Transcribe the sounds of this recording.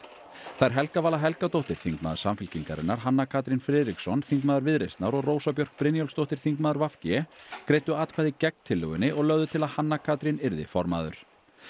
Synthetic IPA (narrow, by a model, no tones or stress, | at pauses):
θajɾɦɛlkavaːlaɦɛlkat̪owht̪ɪɾ̥θiŋkma̰ːðʏɾ̥samfɪlciŋka̰ɾɪ̰nːaɾ̥ɦanːakʰaːt̪ɾinfɾɪðɾiksɔnθiŋkmaːðʏɾvɪðɾejst̪naɾɔɣroːwsapjœr̥k̚pɾɪnjɔlst̪owht̪ɪɾ̥θiŋkmaːðʏɾvafcɪɛkɾeːjt̪ʏaːt̪kʰvaːðɪcɛk̚nt̪ʰɪlːʏ̰ɣʏnːɪʔɔɣlœɣðʏt̪ʰɪlaðhanːakʰaːt̪ɾinɪɾðɪ̰fɔɾma̰ːðʏ̰ɾ̥